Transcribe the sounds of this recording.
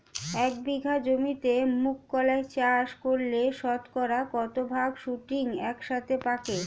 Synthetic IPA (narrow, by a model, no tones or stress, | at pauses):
ɛkbiɡʱad͡ʑomit̪emukːɔlaet͡ɕaʃkoɾleʃɔt̪kɔɾakɔt̪obʱaɡʃuʈiŋɛkʃat̪ʰepake